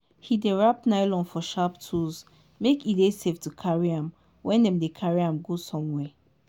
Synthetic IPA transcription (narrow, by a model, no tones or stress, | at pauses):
hideɹap̚naɪlɔ̃nfɔʃaptʰuz | mekideseftukʰaɹiãm | wʔɛ̃ndɛ̃mdekʰaɹiãmɡosɔ̃mwɛ